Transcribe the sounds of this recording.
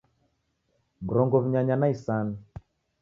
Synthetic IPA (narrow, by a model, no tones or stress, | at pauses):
mɾɔŋɡɔβiɲaɲanaisana